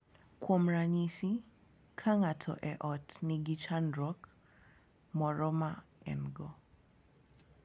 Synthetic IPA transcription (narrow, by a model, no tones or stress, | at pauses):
kwomɾaɲisi | kʰaŋatʰɔ̰ʔɛʔɔtniɡit͡ʃandɾɔk | mɔɾɔmaɛ̰nɡɔ